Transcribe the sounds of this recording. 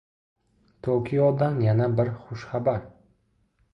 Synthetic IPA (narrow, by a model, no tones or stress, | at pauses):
t̪ʰokʲʰɪjɒd̪anjanabɪɾχʊʃχabaɾ